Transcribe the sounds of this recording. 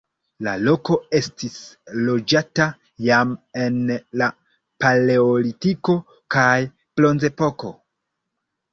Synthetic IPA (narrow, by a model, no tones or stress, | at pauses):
la̰lo̞ko̞e̞stislo̞d͡ʒata | jame̞nla | pale̞olitiko̞ | kaj | plo̞nze̞po̞ko̞